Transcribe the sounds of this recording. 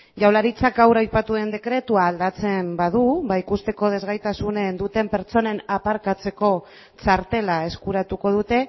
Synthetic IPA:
ʝawlaɾit͡sakawɾajpat̪uðe̞nd̪e̞kɾe̞t̪uaːld̪at͡se̞mbað̞uβaikust̪e̞ko̞ð̞e̞zɣajt̪asunend̪ut̪e̞mpe̞ɾt͡ʃo̞ne̞napaɾkat͡se̞ko̞ | t͡saɾt̪e̞lae̞skuɾat̪uko̞ð̞ut̪e̞

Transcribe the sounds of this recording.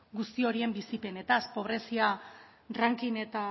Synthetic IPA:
ɡust̪io̞ɾie̞mbisipe̞ne̞t̪aspo̞β̞ɾe̞sia | raŋkine̞t̪a

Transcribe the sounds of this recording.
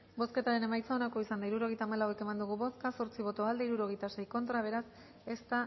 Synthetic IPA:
bo̞ske̞t̪aɾe̞ne̞majt͡sao̞nako̞isand̪aiɾuɾo̞ɣ̞ejt̪aːmalawe̞ke̞mand̪uɣuβo̞skaso̞ɾt͡siβ̞o̞t̪o̞ald̪eiɾuɾo̞ɣ̞e̞jt̪ase̞jko̞nt̪ɾaβ̞e̞ɾas | e̞st̪a

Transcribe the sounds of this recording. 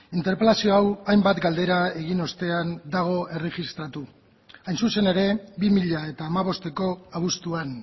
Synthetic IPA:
int̪e̞ɾpe̞lasio̞awajmbat̪ɡald̪e̞ɾaeɣ̞ino̞st̪e̞and̪aɣ̞o̞e̞re̞ɣist̪ɾat̪u | ajnsuse̞ne̞ɾe̞bimiʎae̞t̪aːmaβ̞o̞st̪e̞ko̞aβ̞ust̪uan

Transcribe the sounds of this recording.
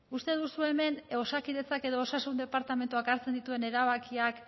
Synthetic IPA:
ust̪e̞ðusue̞me̞no̞sakiðe̞t͡sake̞ðo̞osasund̪e̞paɾt̪ame̞nt̪uakaɾt͡se̞nd̪it̪ue̞ne̞ɾaβ̞akiak

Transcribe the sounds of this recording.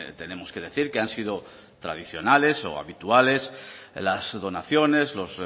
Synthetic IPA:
t̪e̞ne̞mo̞ske̞ð̞e̞θiɾke̞ansið̞o | t̪ɾa̰ð̞iθjo̞nale̞so̞̰a̰βit̪uale̞slazðo̞naθjo̞ne̞zlo̞z

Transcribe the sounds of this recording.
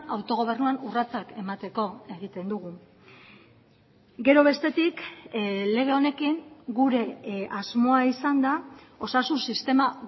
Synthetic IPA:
awt̪o̞ɣ̞o̞β̞e̞rnuanurat͡sake̞mat̪e̞ko̞e̞ɣ̞it̪e̞nd̪uɣ̞u | ɡe̞ɾo̞β̞e̞st̪e̞t̪ik | le̞ɣ̞e̞o̞ne̞kiŋɡuɾe̞azmo̞aisand̪a | o̞sasunsist̪e̞ma

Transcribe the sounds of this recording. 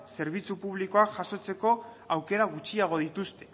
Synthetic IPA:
se̞ɾβ̞it͡supuβliko̞akʝaso̞t͡se̞ko̞ | awke̞ɾaɣ̞ut͡ʃiaɣ̞o̞ð̞it̪ust̪e̞

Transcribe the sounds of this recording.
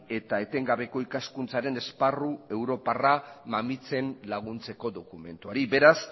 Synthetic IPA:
e̞t̪ae̞t̪e̞ŋɡaβe̞ko̞ikaskunt͡saɾe̞ne̞sparue̞wɾo̞paramamit͡se̞nlaɣ̞unt͡se̞ko̞ðo̞kume̞̰nt̪uaɾibe̞ɾas

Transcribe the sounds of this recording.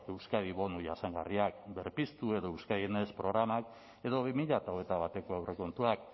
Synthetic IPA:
e̞wskaðiβo̞nuʝasaŋɡariakbe̞ɾpist̪ue̞ðo̞ewskajene̞spɾo̞ɣɾamak | e̞ðo̞β̞imiʎat̪aoɣet̪aβ̞at̪e̞ko̞ewre̞ko̞nt̪uak̚

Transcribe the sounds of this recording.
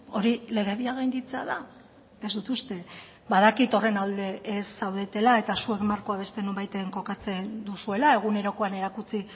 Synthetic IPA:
o̞ɾile̞ɣ̞e̞βiaɣajnd̪it͡se̞a̰ða | ezd̪ut̪ust̪e̞ | baðakit̪o̞re̞nald̪e̞ʔːsːawðe̞t̪e̞lae̞t̪asue̞kmaɾko̞aβ̞e̞st̪e̞no̞mbajt̪eŋko̞kat͡se̞nd̪usue̞lae̞ɣ̞une̞ɾo̞ko̞ane̞ɾakut͡si

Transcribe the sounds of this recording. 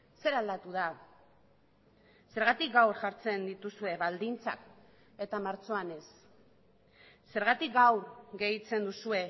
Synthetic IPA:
se̞ɾald̪at̪uða | se̞ɾɣat̪ik̚ɡawɾʝaɾt͡se̞nd̪it̪usue̞βald̪int͡sa̰k | e̞t̪amaɾt͡so̞ane̞s | e̞ɾɣat̪ik̚ɡawɾɣe̞jt͡se̞nd̪usue̞

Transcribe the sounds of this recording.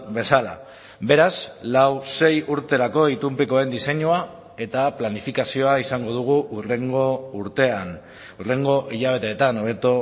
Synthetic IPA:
be̞sala̰ | be̞ɾazlawse̞juɾt̪e̞ɾako̞it̪umpiko̞e̞nd̪ise̞ɲua | e̞t̪aplanifikasio̞aisaŋɡo̞ð̞uɣ̞uureŋɡouɾt̪e̞an | ure̞ŋɡo̞ʔiʎaβ̞e̞t̪e̞ːt̪ano̞βe̞t̪o

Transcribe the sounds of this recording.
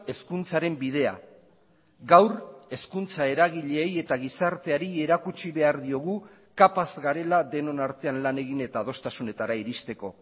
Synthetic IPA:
e̞skunt͡saɾe̞mbið̞e̞a̰ | ɡawre̞skunt͡sae̞ɾaɣ̞iʎe̞ːje̞t̪aɣ̞isaɾt̪e̞aɾie̞ɾakut͡ʃiβe̞aɾðio̞ɣ̞u | kapazɡaɾe̞laðe̞no̞naɾt̪e̞anlane̞ɣine̞t̪aːð̞o̞st̪asune̞t̪aɾaiɾist̪e̞ko̞

